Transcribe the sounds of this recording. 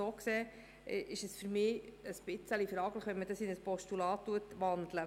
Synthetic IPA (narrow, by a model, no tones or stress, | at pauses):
soːksɛː | ʔɪʃəsfyɾmiːəsb̥ɪt͡səlifɾɑːɡləχʋɛnmədɑsinəspɔʃtulɑːtːuətʋɑnd̪lə